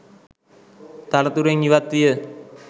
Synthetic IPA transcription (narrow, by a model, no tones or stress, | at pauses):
t̪ɐlɐt̪uɾeŋniʋɐt̪ːijə